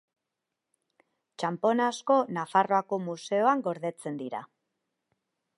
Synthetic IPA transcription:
t͡ʃampo̞nasko̞nafaro̞ako̞muse̞o̞aŋɡo̞ɾðe̞t͡se̞nd̪iɾa̰

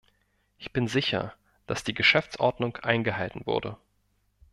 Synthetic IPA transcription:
ʔɪçb̥ɪnzɪçɐ̰ | d̥asd̥iːɡəʃɛft͡sʔɔɐdnʊŋkʔaɪnɡəhaltn̩vʊ̰ɐdə

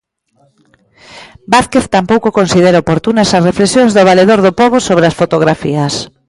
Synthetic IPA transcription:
baθkeθt̪ampowkokonsið̞eɾaopoɾt̪unasɐsrefleksjõŋzðoβ̞aleðoɾðopɔβ̞osoβɾeɐsfot̪oɣɾafḭɐs

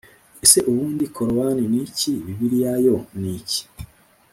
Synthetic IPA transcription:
ese̞ʔuβuːndikʰoɾowaniniciβiβiɾijajo̞nici̥

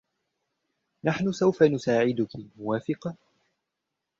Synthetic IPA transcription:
naħnʊsawfanʊsaːʕɪd̪ʊkimʊwaːfɪqɑ

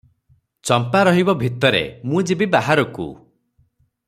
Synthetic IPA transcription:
t͡ʃɔmpaɾɔɦibɔbʱit̪ɔɾḛmũd͡ʒibibaɦaɾɔkṵ

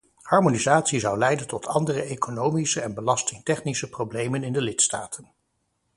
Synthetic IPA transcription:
hɑɹmonizaːtsizʌwlɛjdəntɔtʰɑndərəejkonowmisəɛnbəlɑstɪŋtɛχnisəprowblejmənɪndəlɪtstaːtʰən

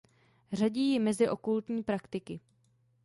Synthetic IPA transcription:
r̝aɟiːjɪmɛzɪʔo̞kult̪ɲiːpɾakt̪ɪkɪ

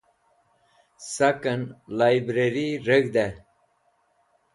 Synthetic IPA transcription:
sɐkənlajbɾeɾiɾeɡd̪e

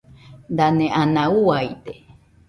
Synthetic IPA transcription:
nd̪anẽʔanãuwajt̪e

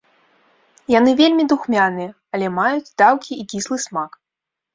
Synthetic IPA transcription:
janɨvʲelʲmʲid̪uxmʲanɨjɛ | ɐlʲɛmajud͡zʲd̪awkʲiːkʲislˠɨsmak

